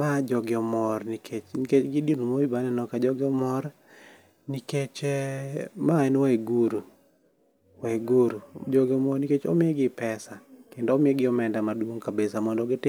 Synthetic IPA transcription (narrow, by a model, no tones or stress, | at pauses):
mad͡ʒɔɡɪɔmɔrnikʰet͡ʃniket͡ʃɡɪdinumoibanɛnɔkad͡ʒɔɡɪɔmɔɾ | niket͡ʃɛmaɛnwɛiɡuɾu | waɡuɾud͡ʒɔɡɪɔmɔɾniket͡ʃo̰mɪeɡɪpɛsakendoːmɪeɡɪɔmɛndamadwoŋkabesamɔndɔɡɪtɪ